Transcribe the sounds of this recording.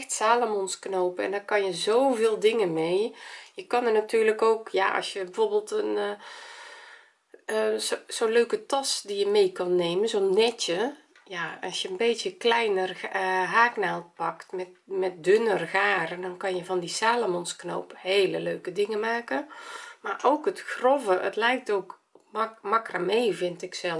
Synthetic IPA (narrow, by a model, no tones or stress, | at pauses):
xtsaːlomɔnsknoːpɛ̰ndɔkɔnjəzoːveːlˠdɪŋənmeːjəkɔnərnatʰyːrləkoːkjaʔɔ̰sjəbəvorbəlˠtən | soːløːkətɔsdijəmeːkɔnːeːmənzoːnːɛtjə | jaɔsjəənbeːtjəklɛjnərɦaːknalˠt̚pɔktmɛtmɛt̚dønərɣaːɾəndɔnkɔnjəvɔndisaːlomɔnskno̰ːpheːləløːkədɪŋəmaːkəmarʔoːkətxrovəʔə̰tlɛjk̚toːk | makrameːvɪntɪksɛlˠ